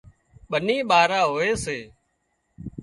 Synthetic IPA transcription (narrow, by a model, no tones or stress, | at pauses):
ɓəniːɓaːɾaːɦoːeːseː